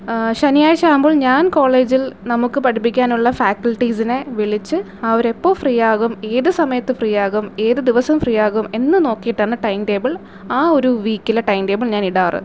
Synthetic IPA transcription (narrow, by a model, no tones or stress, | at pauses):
ɕɐnijaːjɐɕaːumbo̞ːɭɲaːnko̞ːɭe̞ːd͡ʑilnɐmukːɨpɐʈipːikʲːaːnuɭːɐfaːkːɐɭʈːisineʋiɭit͡ɕːɨ | ɐʋɐɾe̞pːo̞ːfriːjaːɣume̞ːðɨsɐmɐjɐt̪ːɨfriːjaːɣume̞ːðɨd̪iʋɐsɐmfriːjaːɣume̞nːɨno̞ːkːijiʈːaːɳɨʈɐjmʈe̞ːbɐɭ | aːo̞ɾuʋiːkːilːɐʈɐjmʈe̞ːbɐɭɲaːniɽaːrɨ̰